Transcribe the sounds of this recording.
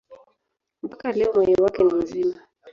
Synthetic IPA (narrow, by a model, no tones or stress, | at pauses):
m̩pakalɛɔmwɛɲɔwakɛnim̩zima